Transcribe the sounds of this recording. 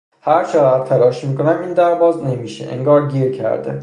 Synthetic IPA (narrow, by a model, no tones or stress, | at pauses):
hæɾt͡ʃʰeæd̪̚t̪ʰælɒːʃmiːko̞næmiːnd̪æɾvɒːzne̞miːʃḛʔḛŋɡɒːɾɟiːɾcʰæ̰ɾd̪ḛ